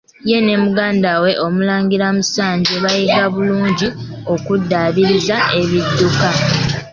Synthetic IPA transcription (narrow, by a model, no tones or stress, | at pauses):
je̞ne̞muɡaːndawe̞ʔo̞mulaːŋɡiɾamusaːɲɟeβajekaβuluːɲɟi | o̞kudːaβiɾizae̞βidːuka